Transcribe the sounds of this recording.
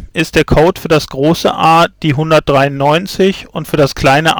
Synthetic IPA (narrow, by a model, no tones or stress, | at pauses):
ʔɪst̚d̥eːɐkʰoʊtfyːɐdasɡ̥ʁoːsəʔaːd̥iːɦʊndɐt̚d̥ʁaɪʊnːɔʏnt͡sɪçʊntfyːɐdaskl̥aɪnəʔ